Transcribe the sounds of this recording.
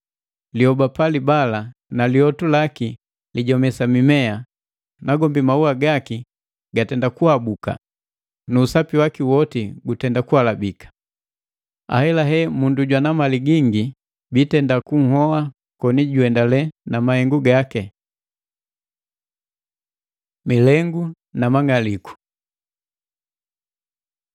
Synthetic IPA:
lihɔbapalibalanaliɔtulaki | liɟɔmɛsamimɛa | naɡɔmbimauaɡaki | ɡatɛndakuhabuka̰ | nuːsapiwakiwɔtiɡutɛndakuhalabikḁ | a̰hɛlaɦɛmunduɟwanamaliɡiŋɡi | bitɛndakuŋ̩hɔwa | kɔniɟuɛndalɛnamahɛŋɡuɡakɛ | milɛŋɡu | namaŋaliku̥

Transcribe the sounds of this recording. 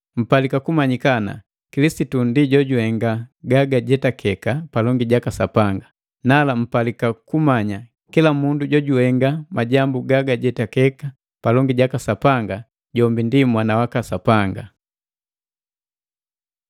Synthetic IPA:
m̩palikakumaɲikana̰ | kilisitundiɟɔɟuhɛŋɡaɡaɡaɟɛtakʰɛkapalɔŋɡiɟakasapaŋɡa | nalam̩palikakumaɲa | kilamunduɟɔɟuhɛŋɡamaɟambuɡaɡaɟɛtakɛka | palɔŋɡiɟakasapaŋɡa | ɟɔmbindimwanawakasapaŋɡa

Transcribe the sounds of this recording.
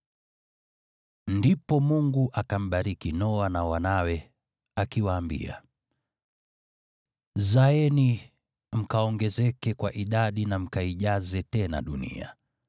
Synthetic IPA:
ndipɔmuŋɡuʔakam̩ɓaɾikinɔanawanawɛ | akiwaːmbḭa̰ | zaɛni | m̩kaɔŋɡɛzɛkɛkwaʔiɗaɗinam̩kaiʄazɛtɛna̰ɗunḭa̰

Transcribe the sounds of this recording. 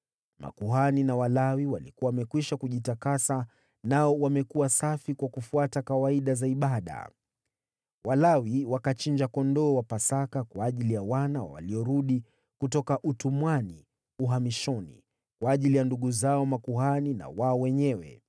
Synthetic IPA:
mʔa̰kuɦaninawalawiwalikuwawamɛkwiʃakuʄitakasa | naɔwamɛkuwasafikwakufuatakawaiɗazaiɓaɗa̰ | walawiwakat͡ʃind͡ʒakɔndɔwapasakakwaːʄilijawana̰wa̰liɔɾuɗi | kutɔkaʔutumwani | uɦamiʃɔnḭ | kwaːʄilijanduɠuzaɔmakuhanina̰waɔwɛɲɛwɛ̰

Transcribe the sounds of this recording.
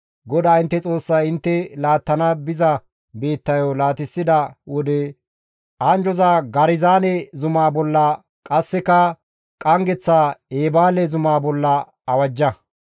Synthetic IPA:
ɡɔd̪aːɪnt̪ːɛt͡sʼo̞ːsːɐjɪnt̪ːɛlaːt̪ːɐnɐbɪzɐ | be̞ːt̪ːɐjɔlaːt̪ɪsːɪd̪ɐwɔd̪ɛ | ʔɐnd͡ʒɔzaːɡɐɾɪzaːnɛzʊmaːbɔlːɐ | kʼɐsːɛkɐ | kʼɐŋɡɛt͡sːaːeːbaːlɛzʊmaːbɔlːɐ | ɐwɐd͡ʒːɐ

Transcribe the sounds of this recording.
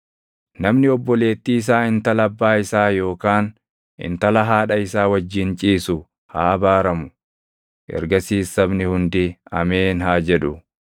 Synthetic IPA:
nɐmnɪɔbːɔle̞ːt̪ːiːɪs̬aːɪnt̪ɐlɐbːaːɪsaːjo̞ːkaːn | ɪ̰nt̪ɐlɐɦaːᶑɐɪsaːwɐd͡ʒːɪnt͡ʃʼiːsʊ | ha̰ːɐbaːɾɐmʊ | ʔɛ̰ɾɡɐsiːsːɐbnɪhʊnd̪ɪɐmeːnɦaːd͡ʒɛᶑʊ

